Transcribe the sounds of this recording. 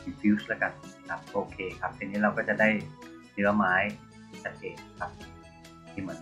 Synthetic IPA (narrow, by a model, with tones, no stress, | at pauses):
i˨˧˩pʰi˦˥sla˦˥ka˨˩n˩kʰa˦˥p̚ʔoː˧kʰeː˧kʰa˦˥p̪̚ʰiː˧nːiː˦˥ɾa˧wkɔː˥˩t͡ɕa˨˩daː˥˩j | nɯ˦˥ɐmaː˦˥j | sa˨˧t̪̚keː˨˩t̪̚kʰa˦˥p̚ | t̪ʰiː˥˩mɯ˩˦ən